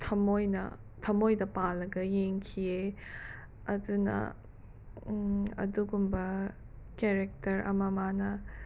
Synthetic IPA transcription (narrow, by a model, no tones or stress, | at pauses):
tʰɐmojnɐ̰ | tʰɐmojdɐpalːɐɡɐjeŋkʰie | ɐdunɐ̰ | ɐ̰duɡumbɐ | keɾek̚tɐɾʔɐ̰mɐmanɐ